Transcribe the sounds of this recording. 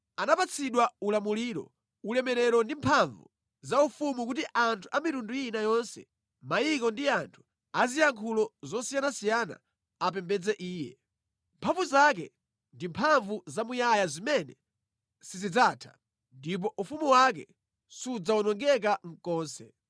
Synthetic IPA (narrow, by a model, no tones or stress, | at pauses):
anapat͡sʰiɗwaulamuliːɾɔ̰ | ulɛmɛɾɛɾɔndimpʰaɱvṵ | zaufumukutiʔantʰu̥amitundujinajɔnsɛ̰ | majikɔndiantʰu̥ | azijaŋkʰulɔzɔsijanasijana̰ | apɛmbɛd͡zɛʔiːjɛ̰ | mpʰaɱvuzak̬ɛ̰ | ndimpʰaɱvuzamujajazimɛnɛ | sizid͡zaːtʰḁ̰ | ndip̬ɔʔufumuwak̬ɛ̰ | sud͡zaunɔŋɡɛk̬aŋ̩kɔːnsɛ